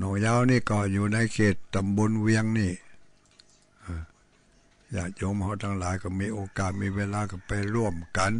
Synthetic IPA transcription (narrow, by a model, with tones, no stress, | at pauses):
nɔː˧˩ŋjaː˧˨wniː˧˩˨kɔ˧˩juː˨˩na˧˥jkʰeː˨˩t̪ːa˧˨mbo˧˥˨nwi˧əŋniː˧˩ | ʔaː˧˩ | jaː˨˩k̚jo˧˥˨mha˧˩wt̪ʰa˧ŋlaː˨˦jkɔ˧˩miː˧˥ʔoː˧kaː˨˩t̪̚miː˧˥˨weː˧laː˧ka˧˩pa˧jɾu˧˩əmka˧˦n